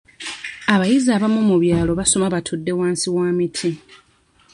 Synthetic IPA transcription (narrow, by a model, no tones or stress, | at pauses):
aβajizaːβamomuβjaːlo̞βaso̞maβatʰodːe̞waːnsiwaːmitʰi